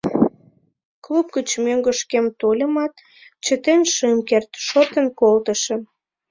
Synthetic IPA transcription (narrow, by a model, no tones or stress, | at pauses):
klup̚ɡət͡ɕmøŋɡəʃkemt̪olʲəmɑt̪ | t͡ɕət̪enʃəmkert̪ʃot̪ənkolt̪ə̆ʃə̆